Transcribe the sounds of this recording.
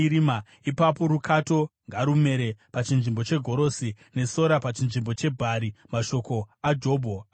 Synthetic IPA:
ɾima | ipapo̞ɾukʰato̞ŋɡaɾume̞ɾe̞pat͡ʃinʐimbo̞t͡ʃe̞ɡʱo̞ɾo̞si | ne̞so̞ɾapat͡ʃinʐimbo̞t͡ʃe̞bʱaɾimaʃo̞ko̞ad͡ʒo̞ːbʱo

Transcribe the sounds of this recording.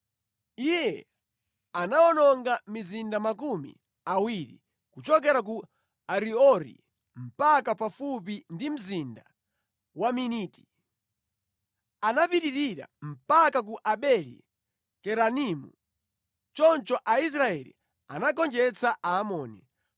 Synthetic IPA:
ijɛ | anaɔnɔŋɡamizindamakumḭ | awiɾḭ | kut͡ʃɔk̬ɛɾak̬u | aɾiɔɾḭ | m̩pakapafupindim̩zinda | waminiːti̥ | anapiɾiɾiɾa̰m̩pakak̬uʔaɓɛlḭ | kɛɾanimṵ | t͡ʃɔnt͡ʃɔʔais̬ɾaɛlḭ | anakɔnd͡ʒɛt͡saʔaːmɔːni

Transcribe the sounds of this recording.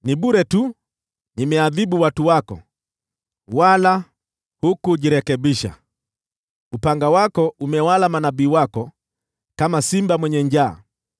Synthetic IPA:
niɓuɾɛtu | nimɛaðiɓuwatuwakɔ̰ | wala | hukuʄiɾɛkɛɓiʃa̰ | upaŋɡawakɔʔumɛwalamanaɓiːwakɔ | kamasimbamwɛɲɛɲd͡ʒa̰ː

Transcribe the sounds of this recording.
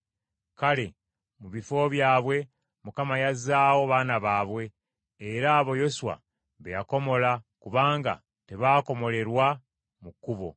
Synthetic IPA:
kale̞ | muβifo̞βjaːβwe̞ | mukamajazaːwo̞βaːnaβaːβwe̞ː | ɾaːβo̞jo̞suwa̰ | βejako̞mo̞lakuβaːŋɡa̰ | te̞βaːko̞mo̞le̞ɾwa | mukːuβo̞̰

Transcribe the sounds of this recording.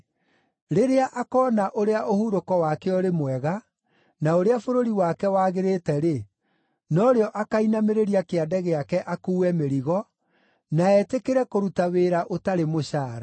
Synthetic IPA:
ɾeɾeaʔakɔːnaʔoɾeaʔohuɾokɔwakeɔɾemwɛɣa | naoɾeafoɾoɾiwakɛwaːɣeɾetɛɾe | nɔɾeɔʔakainameɾeɾiakeadɛɣeakɛʔakuːwɛmeɾiɣɔ | naɛtekeɾɛkoɾutaweːɾaʔotaɾemoɕaːɾa

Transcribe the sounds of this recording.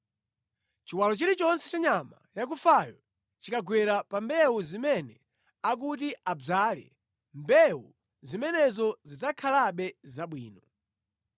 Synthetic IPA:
t͡ʃiwalɔt͡ʃiɾit͡ʃɔnsɛt͡ʃaɲamajak̬ufajɔ | t͡ʃikaɡwɛɾapambɛwuzimɛnɛ | ak̬utiʔab͡ʐaːlɛ̰ | mbɛwu | zimɛnɛzɔzid͡zakʰalaɓɛzaɓwḭːnɔ

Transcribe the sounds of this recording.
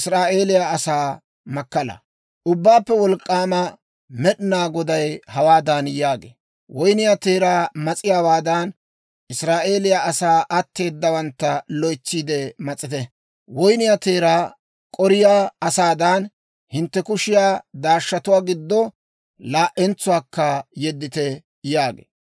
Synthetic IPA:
ɪsɾaːʔe̞ːlɪjaɐsaː | mɐkːɐlɐ̰ | ʔʊbːaːpːɛwɔlkʼːaːmɐ | mɛɗɪnaːɡɔd̪ɐjhɐwaːd̪aːnjaːɡḛː | wɔjnɪjat̪eːɾaːmɐt͡sʼɪjaːwaːd̪ɐn | ʔɪsɾaːʔe̞ːlɪjaʔɐsaːʔɐt̪ːe̞ːd̪ːɐwɐnt̪ːɐlɔjt͡ʃːiːd̪ɛmɐt͡sʼːɪt̪ɛ | wɔjnɪjat̪e̞ːɾaː | kʼɔɾɪjaːɐsaːd̪ɐn | hɪnt̪ːɛkʊʃɪjaːd̪aːʃːɐt̪ʊwaːɡɪd̪ːɔ | laːʔɛnt͡sʊwaːkːɐjɛd̪ːɪt̪ɛ | jaːɡḛː

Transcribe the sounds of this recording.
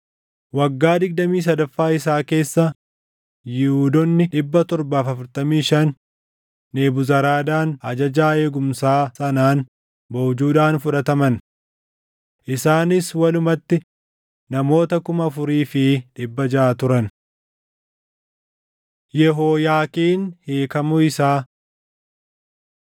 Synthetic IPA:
wɐɡːaːd̪ɪɡd̪ɐmiːs̬ɐd̪ɐfːaːɪsaːke̞ːsːɐ | jɪhuːd̪ɔnːɪᶑɪbːɐt̪ɔɾbaːfɐfʊɾt̪ɐmiːʃɐnː | eːbʊzɐɾaːd̪aːnɐd͡ʒɐd͡ʒaːe̞ːɡʊmsaːsɐnaːn | bɔwd͡ʒuːᶑaːnfʊᶑɐt̪ɐmɐn | ʔɪsaːnɪswɐlʊmɐt̪ːɪ | nɐmo̞ːt̪ɐkʊmɐfʊɾiːfɪᶑɪbːɐd͡ʒaːt̪ʊɾɐn | jɛɦoːjaːkiːnheːkɐmʊɪsaː

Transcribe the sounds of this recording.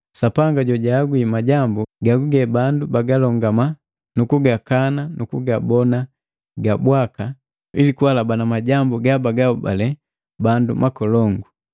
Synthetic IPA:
sapaŋɡaɟɔɟaːɡwimaɟambuɡaɡuɡɛbandubaɡalɔŋɡama | nukuɡakananukuɡabɔna | ɡabwaka | ilikuwalabanamaɟambuɡabaɡauba̰lɛ | bandumakɔlɔŋɡu

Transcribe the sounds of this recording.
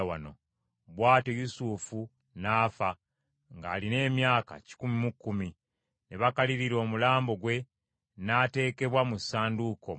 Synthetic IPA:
wa̰no̞ | βwaːtejusuːfu | naːfa | ŋɡa̰ːline̞ːmjaːka̰ci̥kumimukːumi | neβakaliɾiɾo̞ːmulaːmbo̞ɡwe̞ | naːte̞ːke̞βwamusaːnduko̰

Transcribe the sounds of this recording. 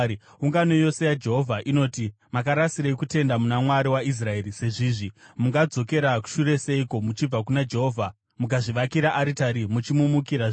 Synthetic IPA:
uŋɡano̞jo̞se̞jad͡ʒe̞ɦo̞vʱaʔino̞ːti | makaɾasiɾaikute̞ndamunamwaɾiwais̬rae̞ːɾise̞ʐiːʐimuŋɡad͡zo̞ke̞ɾaku̥ʃure̞seiko̞mut͡ʃib͡vak̬unad͡ʒe̞ɦoːvʱa | mukaʐiʋakiɾaʔaɾitaɾimut͡ʃimumukiɾa

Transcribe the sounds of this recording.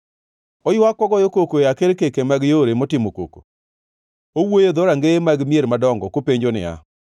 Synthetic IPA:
ojwakːwɔɡɔjokokojakeɾkekemaɡjoɾemɔtɪmoko̰ko̰ | owojed̪oɾaŋɡeemaɡmijeɾmadɔŋɡɔkopeɲd͡ʒonɪ̰a̰

